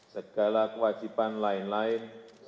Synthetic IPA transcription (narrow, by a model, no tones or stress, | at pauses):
sakalakwat͡ʃʰipanlajnlajns